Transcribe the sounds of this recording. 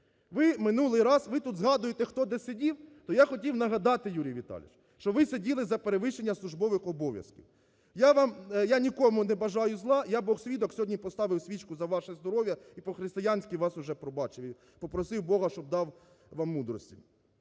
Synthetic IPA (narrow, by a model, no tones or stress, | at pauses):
ʋɪmɪnulˠɪjɾɑsʋɪt̪ud̪zɦɑd̪ʊjet̪ɛxt̪ɔd̪ɛsʲedʲiwt̪ɔjaxɔtʲiwnɐɦɐd̪ɑt̪ɪjuɾʲijʋʲit̪ɑ̰lʲɪ̰ʃ | ʃt͡ʃɔʋɪsedʲilˠɪzɐpeɾeʋɪʃt͡ʃenʲːɐslˠʊʒbɔʋɪxɔbɔʋʲjɐ̰skʲḭw | jaʋɑmjanʲikɔmʊnɛbɐʒɑjʊzlˠɑjabɔxsʲʋʲid̪ɔksʲɔɦɔdʲnʲipɔst̪ɑʋɪwsʲʋʲit͡ʃkʊzɐʋɑʃɛzd̪ɔɾɔʋʲjɐipɔxɾɪst̪ɪjanʲsʲkʲiʋɑsʊʒɛpɾɔbɑt͡ʃɪʋɪ | pɔpɾɔsɪwbɔɦɐʃt͡ʃɔb̚d̪ɑw | ʋɑmːud̪ɾɔsʲtʲḭ